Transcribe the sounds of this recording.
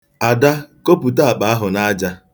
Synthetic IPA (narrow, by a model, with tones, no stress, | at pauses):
a˨da˦ko˦pu˨ta˦a˨k͡pa˨a˦ɦʊ˨na˦d͡ʒa˦